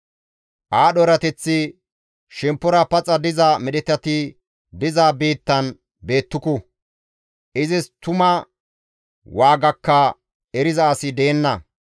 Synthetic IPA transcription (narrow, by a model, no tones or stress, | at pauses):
ʔaːɗɔɾɐt̪ɛt͡sːɪ | ʃɛmpːɔɾɐpɐt͡sʼɐd̪ɪzɐmɛɗɛt̪ɐt̪ɪ | d̪ɪzaːbiːt̪ːɐn | be̞ːt̪ːʊkʊ | ʔɪzɪst̪ʊmɐ | waːɡɐkːɐ | ɛɾɪzɐːsɪd̪eːnːɐ